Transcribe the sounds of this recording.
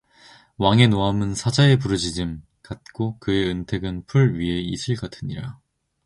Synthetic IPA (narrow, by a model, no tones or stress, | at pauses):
waŋe̞noɦamɯnsʰad͡ʑae̞p̬uɾɯd͡ʑid͡ʑɯm | kat̚k͈okɯe̞ɯntʰe̞ɡɯnpʰuɭɥiɦe̞isʰɯɭɡatʰɯɲiɾa